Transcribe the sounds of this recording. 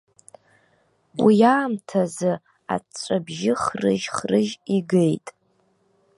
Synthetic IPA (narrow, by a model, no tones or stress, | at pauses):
wijaːmtʰazɨ | a̰t͡ʃːʷʼabʒɪχrɨ̰ʒχrɨʒiɡejtʼ